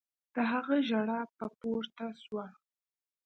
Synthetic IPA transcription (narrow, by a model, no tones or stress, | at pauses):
d̪̥əɦaɣəʒaɽapəpoɾt̪aswa